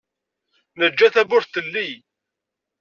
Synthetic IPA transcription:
nəd͡ʒːæθæbʊɾθəlːij

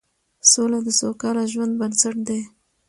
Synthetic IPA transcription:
solad̪əsokɑlaʒwand̪̚bansaʈ̚d̪e

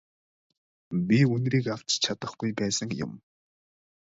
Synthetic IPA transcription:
bʲiɵnriːkaw̥t͡ɕt͡ɕʰat̪ə̆χɡujpæːsə̆ŋjʊ̰m

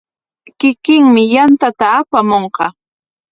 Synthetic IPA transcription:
kɪkɪŋmɪjant̪at̪aːpamoɴqɑ

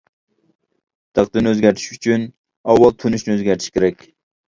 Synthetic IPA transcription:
d̪̥ɑqd̪ɨnøzɡʲæɾt̪ʰɪ̥ʃyt͡ʃʰyn | ɑwːɑlˠt̪ʰunɪʃnɪøzɡʲæɾt̪ʰɪ̥ʃkʲeɾɛkʲ

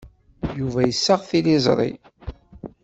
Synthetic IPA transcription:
juvæjəsːəʁθilizˤɾˤḭ

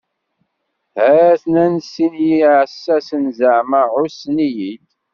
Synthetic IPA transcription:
hæθnænsinjiʕsːæsənzəʕməʕʊsnijid̪

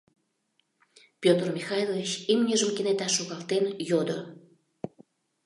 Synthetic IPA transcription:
pjot̪ərmixɑjlˠovit͡ɕimnʲəʒəmkenet̪ɑʃːoɣɑlt̪enjod̪o

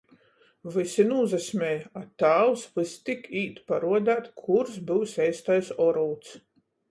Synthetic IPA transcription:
vɨsinuːzɛsʲmʲɛjat̪aːwsvɨst̪ikʰiːt̪paɾuɔd̪æːt̪kʰuɾsbɨwsʲɛjst̪ajsɔɾuːt̪s

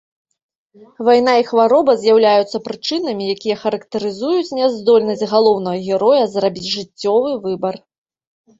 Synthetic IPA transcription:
vajn̪aixvaɾɔbɐzʲjawlʲajut̪sːɐpɾɨt͡ʂɨnɐmʲijakʲijɐxɐɾɐkt̪ɐɾɨzujut͡sʲnʲɛzd̪ɔlʲnɐsʲɣalˠɔwn̪ɐɣɐɣʲɛɾɔjɐzrabʲit͡sʲʐɨt͡sʲːɔvɨvɨbɐr

